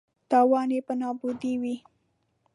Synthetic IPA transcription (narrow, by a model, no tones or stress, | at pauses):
t̪ɑwɑnepənɑbud̪iwi